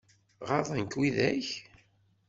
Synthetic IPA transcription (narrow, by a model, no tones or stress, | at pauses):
ʁɑðˤænkwiðæç